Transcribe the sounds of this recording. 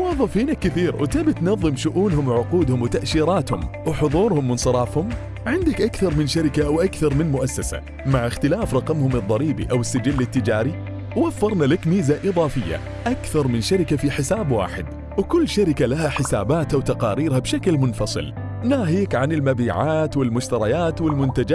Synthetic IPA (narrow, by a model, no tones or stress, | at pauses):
wɑðˤːɑfiːnakːɪθiːɾwt̪aːbɪt̪nɑðˤːɨmʃʊʔuːnhʊmwʕʊquːd̪hʊmwɪt̪aʔʃiːɾɑːt̪hʊ̰mwħʊðˤuːɾhʊmwɪnsˤɨɾˤɑːfhʊm | ʕɪnd̪ɪkʔakθɑɾˤmɪnʃaɾɪkaʔawʔakθɑɾˤmɪnmʊʔasːasa̰ | maʕɪxt̪ɪlaːfɾˤɑqɑmhʊmɨðˤːɑɾiːbḭʔawɪsːad͡ʒɪlːɪt̪ːɪd͡ʒaːɾi | wwafːɑɾˤnalakmiːzaʔɨðˤɑːfɪjːa̰ | ʔakθɑɾˤmɪnʃaɾɪkafiħɪsaːbwa̰ːħɪd̪ | wkʊlːʃaɾɪkalahaħɪsa̰ːbaːt̪awt̪ɑqɑːɾiːɾhabʃaklmʊnfɑsˤɨ̰l | naːɦiːkʕanɪlmabiːʕaːt̪wɪlmʊʃt̪ɑɾˤɑjaːt̪wɪlmʊnt̪ad͡ʒa